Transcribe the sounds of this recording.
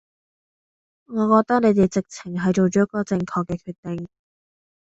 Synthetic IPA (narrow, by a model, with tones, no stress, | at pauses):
ŋɔː˨˧kɔː˧k̚t̪ɐ˥k̚ne˨˧jt̪e˨jt͡sɪ˨k̚t͡sʰɪ˨˩ŋɦɐ˨jt͡so˨wt͡ʃɔː˨˥kːɔː˧t͡sɪ˧ŋkʰɔː˧kːɛː˧kʰyː˧t̪ɪ˨˩ŋ